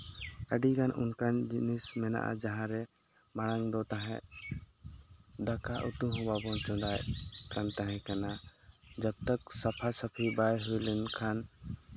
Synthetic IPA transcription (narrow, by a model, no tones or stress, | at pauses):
əɖikanʔṵnkand͡ʒinismɛna̰ʔa̰d͡ʒaɦãɾɛ | maɽaŋd̪ɔt̪aɦɛ̰̃ʔ | d̪akaʔut̪uɦʊbabɔt͡ʃɔ̃d̪ajkant̪aɦɛ̃kanad͡ʒab̚t̪aksapʰasapʰibajɦujlɛnkʰan